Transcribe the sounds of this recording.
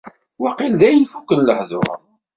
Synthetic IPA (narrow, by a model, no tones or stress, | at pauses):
wɑqilðæjənfukːənləħðʊ̰ɾ̰